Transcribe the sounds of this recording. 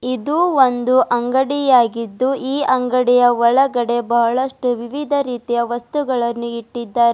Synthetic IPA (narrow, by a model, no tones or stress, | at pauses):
id̪uond̪uʔɐŋɡɐɽijaːɡid̪ːuʔiːʔɐŋɡɐɽijɐʋɔɭɐɡɐɽe̞bɐɦɐɭɐʂʈuʋiʋid̪ʱɐɾiːt̪ijɐʋɐst̪uɡɐɭɐnːuiʈːid̪ːaːɾe